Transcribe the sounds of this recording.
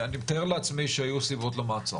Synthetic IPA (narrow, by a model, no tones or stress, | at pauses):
animt̪aeʁleat͡smiʃeajusibo̞t̪lemaːt͡sa̰